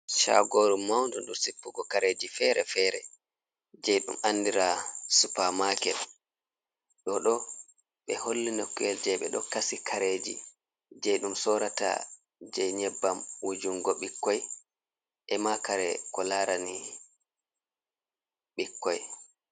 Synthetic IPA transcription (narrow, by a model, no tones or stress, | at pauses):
ʃa̰ɡoɾumːawndɔnduɾsipːuɡɔkaɾed͡ʒifɛɾɛfɛɾɛ | d͡ʒɛjɗṵmanːdiɾasupamakɛl | ɗɔɗɔ | ɓɛholːinɔkːuɛld͡ʒɛɓɛ̰ɗɔkasikʰaɾed͡ʒḭ | d͡ʒɛjɗumsɔɾata̰ | d͡ʒɛjɲɛbːamwud͡ʒuŋɡɔɓikːɔj | ʔɛmakaɾɛ̰kɔlaɾani | ɓikːɔj